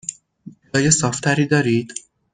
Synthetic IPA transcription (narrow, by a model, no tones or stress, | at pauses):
ud̪ɒːjesɒːft̪ʰæɾiːd̪ɒːɾiːd̪̥